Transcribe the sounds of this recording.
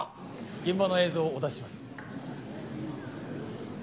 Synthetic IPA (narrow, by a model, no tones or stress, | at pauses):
ɡ̥ẽ̞mbano̞e̞ːzo̞ːd̪aɕimasɨ̥